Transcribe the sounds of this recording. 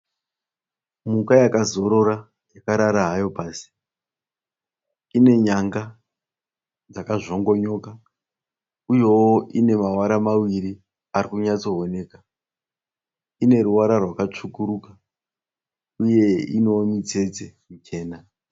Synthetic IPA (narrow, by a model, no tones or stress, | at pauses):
mukajakazo̞ɾo̞ɾa | jakaɾaɾaɦajo̞paːsi̥ | ine̞ɲaŋɡa | d͡zakaʐo̞ŋɡo̞ɲo̞ka | ujo̞woʔine̞mawaɾamawiɾi | arikuɲat͡so̞ɦone̞ːka | ine̞ɾuwaɾarwakat͡ʂukuɾuka | uje̞ḭnewomid͡ze̞d͡zemut͡ʃe̞ːna